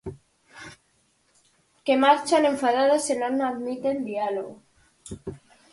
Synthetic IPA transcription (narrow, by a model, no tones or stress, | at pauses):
ke̞maɾt͡ʃanẽ̞ɱfaðaðasenonaðmit̪end̪ialoɣo